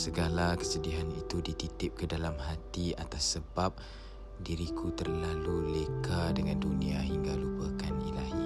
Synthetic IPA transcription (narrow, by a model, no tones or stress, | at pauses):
səɡalakə̥sədiɦanit̪udit̪it̪ɪp̚kədalamɦat̪ia̰t̪asːəbap̚ | diɾikʰut̪ərlalulekadəŋanduniaɦiŋɡalupakanḭlaɦi